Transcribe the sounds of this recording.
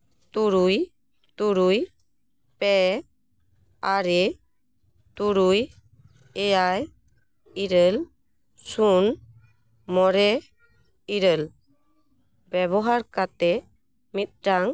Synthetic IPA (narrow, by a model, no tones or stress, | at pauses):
t̪uɾuj | t̪uɾuj | pɛ | aɾɛ | t̪uɾuj | ɛjaj | iɾəl | sun | mɔɾɛ | iɾəl | bɛβɔɦaɾkat̪ɛ | mit̪̚ɖaŋ